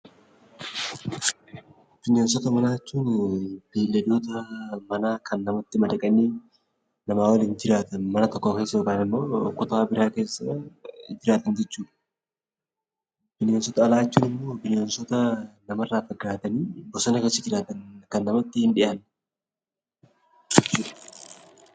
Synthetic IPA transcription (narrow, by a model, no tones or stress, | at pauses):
b̥ɪnjeːnsɔt̪ɐmɐnaːɛt͡ʃːuːnb̥eːlːɛd̪oːt̪ɐmɐnaːkʰɐnːɐmɐt̪ːɪmɐdɐkʼɐniː | nɐmaːwɐlind͡ʒɪɾaːt̪ɐnmɐnɐt̪ɔkːoːkeːsːɐjokaːnɪmːo̞ːkʊt̪aːbɪɾaːke̞ːsːɐd͡ʒɪɾaːt̪ɐnd͡ʒɛt͡ʃːuːᶑɐ̥ | b̥ɪnjeːnsɔt̪ɐːlaːjɛt͡ʃːuːnɪmːoːbɪneːnsɔt̪ɐnɐmɐrːaːfɐɡːaːt̪ɐniːbɔsɐnɐkːɐsɪd͡ʒɪɾaːt̪ɐnkɐnːɐmɐt̪ːɪhɪnᶑɪʔɐn | d͡ʒɛt͡ʃːuːᶑɐ̥